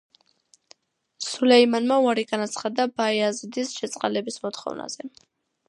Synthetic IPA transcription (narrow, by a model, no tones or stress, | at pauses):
sulɛimanmauaɾiɡanat̪sʰχad̪abaiazid̪isʃɛt̪sʼqʼa̰lɛbismɔt̪ʰχɔ̰vna̰z̥ɛ